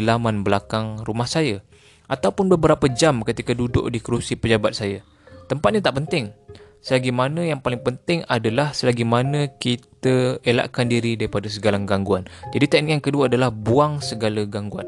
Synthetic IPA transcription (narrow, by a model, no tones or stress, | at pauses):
lamãnbəlakaŋrumahsaja | ʔat̪awpʊnbəbəɾapəd͡ʒamkət̪ikadudʊ̰ʔdikəɾusipəd͡ʒabat̪̚saja | t̪əmpat̪̚ɲat̪aʔpənt̪ɪŋ | səlaɡimanə̃jaŋpalɪŋpənt̪ɪŋadalahsəlaɡimanə̃kit̪əela̰ʔkandiɾidaɾipadas̬əɡalaŋɡaŋɡuand͡ʒadit̪aniʔjaŋkəduaːdalahbuaŋsəɡalaɡaŋɡua̰n